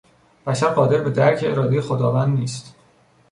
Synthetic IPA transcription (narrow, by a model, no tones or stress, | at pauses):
b̥æʃæɾɢɒːd̪e̞ɾbe̞d̪æɾcʰeeɾɒːd̪ejexod̪ɒːvænd̪niːst̪